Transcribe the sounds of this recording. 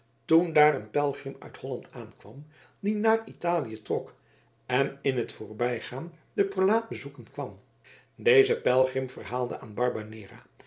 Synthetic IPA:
tundaːrənpɛlˠχrɪmœ̰thɔlɑntʰaːnkʋɑ̰m | dinaːritaːlijətrɔk | ɛnɪnɦətfʊːɹbɛjχaːn | dəprolaːt̚bəzukənkʋɑm | dejzəpɛlˠχɪmfərɦaːlˠdə̰ʔaːnbɑɹbanɪːra̰ː

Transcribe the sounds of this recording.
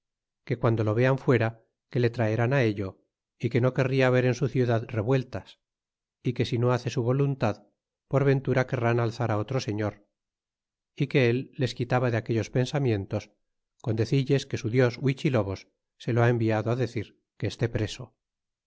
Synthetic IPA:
ke̞kwand̪o̞lo̞β̞e̞aɱfwe̞ɾa | kele̞t̪ɾaeɾanae̞ʎo | ike̞no̞ke̞riaːβe̞ɾe̞nsuθjuðaðre̞βwe̞lt̪as | ike̞sino̞aθe̞suβo̞lunt̪að | po̞ɾβe̞nt̪uɾake̞ranalθaɾao̞t̪ɾo̞se̞ɲo̞ɾ | ike̞elːe̞skit̪aβaðeake̞ʎo̞spe̞nsamjẽ̞nt̪o̞s | ko̞nd̪e̞θiʎe̞ske̞suðjo̞swit͡ʃilo̞βo̞sː | e̞loae̞mbiaðoaðe̞θiɾ | ke̞ːst̪e̞pɾe̞so̞

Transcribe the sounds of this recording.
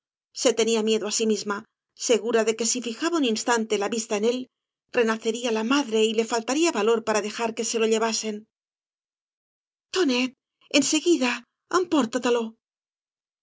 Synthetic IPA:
se̞t̪e̞niamje̞ðoasimizma | se̞ɣuɾaðe̞ke̞sifixaβauninst̪ant̪e̞laβist̪aene̞l | re̞naθe̞ɾialamaðɾe̞ile̞falt̪aɾiaβalo̞ɾpaɾaðe̞xaɾke̞se̞lo̞ʎe̞βase̞n | t̪onet̪ | e̞nse̞ɣiða | ampoɾt̪at̪alo̞

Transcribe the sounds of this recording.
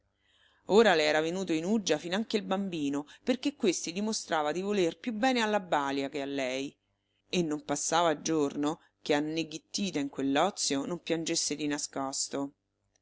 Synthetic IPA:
oːɾalɛːɾavenuːt̪oinud͡ʒːafinaŋkeilbambiːnoperkekːwest̪id̪imost̪ɾaːvad̪ivolerpjubːɛːnealːabaːljakealːɛj | enːompasːaːvad͡ʒorno | keanːeɡit̪ːiːt̪aiŋkwelːɔt̪sːjonompjand͡ʒesːed̪inaskɔst̪o

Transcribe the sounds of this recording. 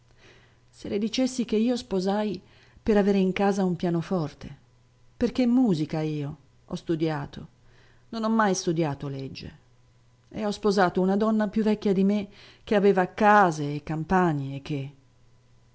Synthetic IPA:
seled̪it͡ʃesːik̟eiːospozaj | peɾaveːɾeiŋkaːzaumpjaːnofɔrt̪e | perk̟emːuːzikaiːo | ɔ̰st̪ud̪jaːt̪ʰo | nonɔmːajst̪ud̪jaːt̪oled͡ʒːḛ | ḛɔspozaːt̪ounad̪ɔnːapjuvːɛkːjad̪imek̟ːeaveːvaːkːaːzeːkːampaɲːeːk̟ːe

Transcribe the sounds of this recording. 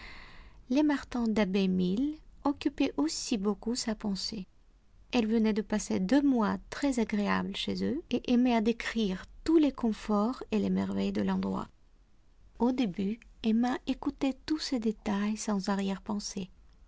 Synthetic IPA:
lemaʁt̪ɑ̃d̪abɛmilɔkʲypɛʔosibokusapɑ̃se | ɛlvənɛd̪əpased̪ømwat̪χɛzaɡʁea̰blʃezøeʔemɛad̪ekχiʁt̪ulekɔ̃fɔʁelemɛʁvɛjd̪əlɑ̃d̪ʁwa̰ | od̪ebyemaʔekut̪ɛt̪used̪et̪ajsɑ̃zaʁjɛʁpɑ̃se

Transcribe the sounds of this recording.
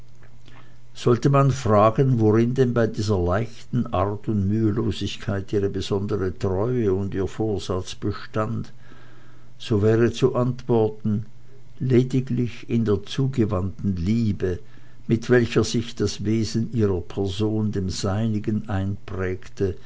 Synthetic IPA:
z̥ɔltəmanfʁ̥aːɡənvoʁɪndɛnbaɪdiːzɐlaɪçtn̩ʔaɐtʊntmyːəloːzɪçkʰaɪtʔiːʁəbəz̥ɔndəʁətʁ̥ɔʏəʊndiːɐfoːɐz̥at͡sb̥əʃtand | z̥oːvɛːʁət͡suʔantv̥ɔɐtn̩ | leːdɪɡlɪçɪndeːɐt͡suːɡəvantn̩liːbə | mɪtv̥ɛlçɐz̥ɪçd̥asveːzən̩ʔiːʁɐpʰɛɐzoːndeːmz̥aɪnɪɡənʔaɪnpʁ̥ɛːktə

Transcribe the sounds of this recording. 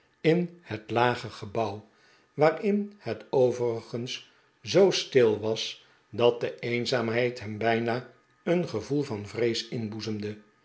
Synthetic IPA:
ɪnhətlaːχəχəbʌw | ʋaːrɪnhətowvərəχəns | zowstɪlˠʋɑs | dɑt̚dəeːnzaːmɦɛjtɦɛmbɛjnaː | ənχəvulˠvɑnvrejsɪnbuzəmdə

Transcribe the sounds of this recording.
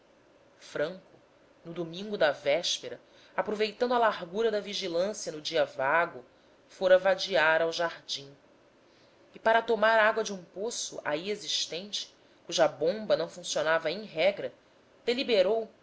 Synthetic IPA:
fɾɐ̃ŋkʊ | nʊd̪omĩŋɡʊd̪ɐvɛʃpeɾɐ | apɾovejt̪ɐ̃nd̪ʊɐlaɦɡuɾɐd̪ɐviʒilɐ̃sjɐnʊd͡ʒiɐvaɡʊ | foɾɐvad͡ʒiaɾawʒaɾd͡ʒĩ | ipaɾɐt̪omaɾaɡwɐd͡ʒɪũposʊ̰ʔa̰ieziʃt̪ẽnt͡ʃɪ̥ | kuʒɐbõmbɐnɐ̃w̃fũsionavɐẽj̃ɦɛɡɾɐ | d̪̥elibeɾow

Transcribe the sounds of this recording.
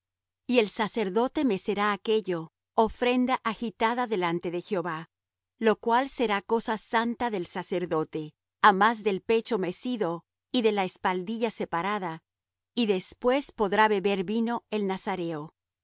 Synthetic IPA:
ie̞lsase̞ɾðo̞t̪e̞me̞se̞ɾaːke̞ʝo̞ː | fɾe̞nd̪aʔaxit̪aðaðe̞lant̪e̞ðe̞xjo̞βa | lo̞kwalse̞ɾako̞sasant̪aðe̞lsase̞ɾðo̞t̪e̞ | amazðe̞lpe̞t͡ʃo̞me̞siðo̞ | iðe̞laespald̪iʝase̞paɾaða | iðe̞spwe̞spo̞ðɾaβe̞βe̞ɾβino̞e̞lnasaɾe̞o

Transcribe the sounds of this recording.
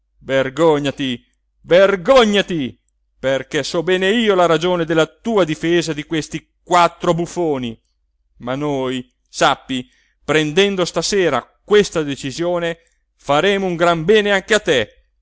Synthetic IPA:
verɡoɲːat̪i | verɡoɲːat̪i | perkɛsɔbɛːneiːolaɾad͡ʒoːned̪elːat̪uːad̪ifeːzad̪ikwest̪i | kwat̪ːɾobufoːni | manoj | sapːi | pɾend̪ɛnd̪ost̪aseːɾa̰kwest̪ad̪et͡ʃizjoːne | faɾɛːmouŋɡɾambɛːneaŋk̟eat̪ːe

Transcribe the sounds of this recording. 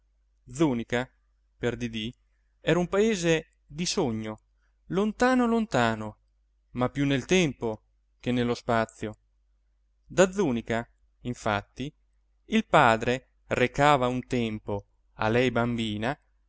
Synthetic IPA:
d̪zuːnika | perd̪id̪i | ɛɾaumpaeːze | d̪isoɲːo | lont̪aːnolont̪aːno | mapːjunːelt̪ɛmpo | k̟enːelːospat̪sːjo | d̪ad̪zuːnika | iɱfat̪ːi | ilpaːd̪ɾe | rekaːvaunt̪ɛmpo | a̰lɛjbambiːna

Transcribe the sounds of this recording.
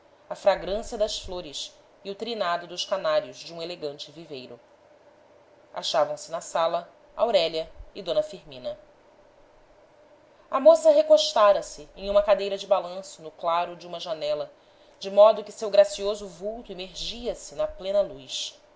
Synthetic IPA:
ɐfɾaɡɾɐ̃siɐd̪ɐsfloɾɪs | ɪʊt̪ɾinad̪ʊd̪ʊʃkanaɾjʊzd͡ʒɪũeleɡɐ̃nt͡ʃɪvivejɾʊ | a̰ʃavɐ̃w̃sɪnɐsalɐ | a̰wɾɛʎɐɪd̪õnɐfiɾmĩnɐ | ɐmosɐɦekoʃt̪aɾɐsɪẽj̃ũmɐkad̪ejɾɐd͡ʒɪbalɐ̃sʊnʊklaɾʊd͡ʒɪũmɐʒanɛlɐ | d͡ʒɪmɔd̪ʊkɪsewɡɾasiozʊvuwt̪ʊemeɾʒiɐsɪnɐplẽnɐlujs

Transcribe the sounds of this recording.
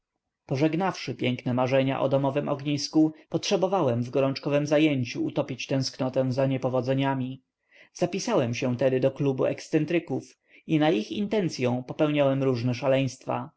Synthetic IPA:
pɔʐɛɡnafʂɘpʲjɛŋknɛmaʐɛɲa̰ʔɔ̰d̪ɔmɔvɘmʔɔ̰ɡɲiskupɔtʂɛbɔvawɛmvɡɔɾɔnt͡ʂkɔvɛmzajeɲt͡ɕuːt̪ɔpʲit͡ɕt̪ɛ̃w̃sknɔt̪ɛ̃w̃zaɲɛpɔvɔd̪zɛɲamʲi | z̥apʲisawɛmɕɛ̃t̪ɛd̪ɘd̪ɔklubuɛkst̪sɛnt̪ɾɘkuf | inaixint̪ɛnt̪sʲjɔ̃w̃pɔpɛwɲawɛmɾuʐnɛʂalɛj̃st̪fa̰

